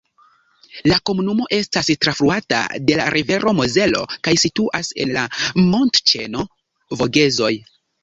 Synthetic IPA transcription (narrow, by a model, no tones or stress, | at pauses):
lako̞munumo̞ʔe̞stastɾafɾuata̰de̞la̰ɾʔive̞ɾʔo̞moze̞lo̞̰kajsituʔase̞̰nlamo̞ntt͡ʃe̞no̞ | vo̞ɡe̞zo̞j